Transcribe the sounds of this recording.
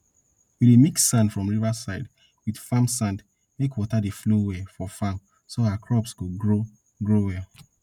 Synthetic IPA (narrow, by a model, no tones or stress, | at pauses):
wilemikssãndfɹɔ̃mɹivasaɪd | widfamsãnd | mekʰwɔtadeflowɛfɔfam | soawakʰɹɔpsɡ̥oɡɹo | ɡɹowɛ